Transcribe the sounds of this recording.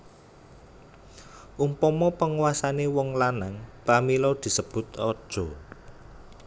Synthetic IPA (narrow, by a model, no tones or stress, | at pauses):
ʔumpɔmɔpəŋuwasanewɔŋlanaŋpamilɔd̪̥i̤səb̥ʊ̤t̪ɔd̥ʒ̥ɔ